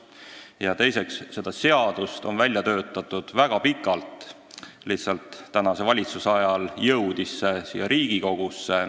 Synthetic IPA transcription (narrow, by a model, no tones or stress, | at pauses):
jɑt̪e̞jse̞ksːe̞d̪̥ɑse̞ɑd̪̥ust̪o̞̰nvælʲjɑt̪øːt̪ːˑɑt̪ːˑud̪̥væɡ̥ɑpikːˑɑlt̪ | lihtsɑlt̪ːænɑse̞vɑlʲit̪susɑjɑljɤwd̪̥isːesḭːjːɑɾiːɡ̥iko̞ɡ̥usːe